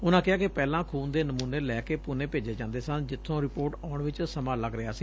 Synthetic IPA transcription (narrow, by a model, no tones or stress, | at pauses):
ʊnãːkɪɦaːkɪpɛːlãːkʰuːnd̪eːnəmuːneːlɛːkeːpʊneːpeːd͡ʒeːd͡ʒãːnd̪eːsənd͡ʒɪt̪ʰːõːɾɪpoːɾʈaːʊɳʋɪt͡ʃsəmaːləɡɾɪaːsiː